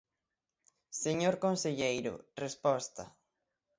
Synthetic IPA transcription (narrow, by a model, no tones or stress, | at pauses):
seɲoɾkonseʎejɾʊ̰respɔst̪a̰